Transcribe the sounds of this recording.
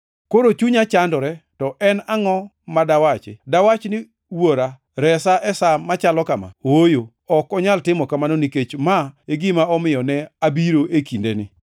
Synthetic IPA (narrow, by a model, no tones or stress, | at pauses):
koɾot͡ʃuɲat͡ʃandɔɾɛtɔʔɛnaŋɔ | madawat͡ʃḛdawat͡ʃnɪ | woɾa | ɾɛsaʔɛsamat͡ʃalɔkama̰wojo | ɔkɔɲaltɪmɔkamanoniket͡ʃmaeɡɪmaɔmɪjɔnɛabiɾoʔekindenɪ̰